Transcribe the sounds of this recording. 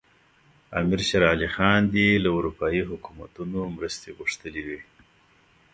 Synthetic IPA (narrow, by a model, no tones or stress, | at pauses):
ɑ̰mɪɾʃaɾɑlixɑnd̪elaʊɾupɑjiɦʊkuma̰t̪unomɾəst̪eɣʊʂt̪əliwi